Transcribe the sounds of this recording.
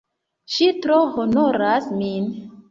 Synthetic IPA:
ʃitɾohonoɾasmin

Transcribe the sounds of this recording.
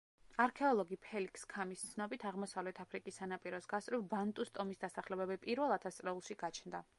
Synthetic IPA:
aɾkʰɛɔlˠɔɡipʰɛlikʰskʰamist̪sʰnɔbit̪ʰaʁmɔsavlɛt̪ʰapʰɾikʼisːanapʼiɾɔsɡast̪ʼɾivbant̪ʼust̪ʼɔmisd̪asaχlɛbɛbipʼiɾvɛlˠat̪ʰast̪sʼɾɛulˠʃiɡat͡ʃʰnd̪a

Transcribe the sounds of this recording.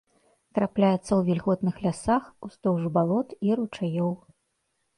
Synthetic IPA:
t̪ɾaplʲajɛt̪sːɐwvʲilʲɣɔt̪nɨxlʲasaxust̪ɔwʐɨbalˠɔt̪iɾut͡ʂajɔw

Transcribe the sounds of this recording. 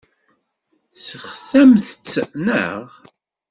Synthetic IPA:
səχθæmθət͡sːənə̰ʁ

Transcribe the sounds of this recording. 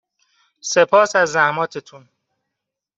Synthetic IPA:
sepʰɒːsæzːæhmɒːt̪ʰet̪ʰun

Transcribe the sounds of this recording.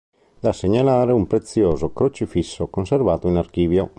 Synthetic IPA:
d̪asːeɲalaːɾeumpɾet̪sjɔːzokɾot͡ʃifisːokonservaːt̪oinarkiːvjo

